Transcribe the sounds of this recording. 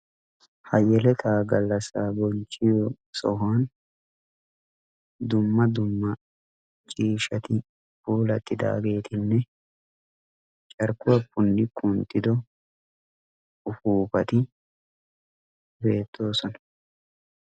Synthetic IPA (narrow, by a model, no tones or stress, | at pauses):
hɐjɛlɛt̪ʰaːɡɐlːɐsaːbɔnt͡ʃʼːɪjɔ | sɔhaːn | d̪ʊmːɐd̪ʊmːɐ | t͡ʃʼiːʃɐt̪ɪ | buːlɐt̪ʼːɪd̪a̰ːɡe̞ːt̪ɪnːɛ | t͡ʃʼɐɾkʊwɐpːʊnːɪkʰʊnt̪ːɪd̪ɔ | ʊfuːpɐt̪ɪ | be̞ːt̪ːo̞ːsɔnɐ̥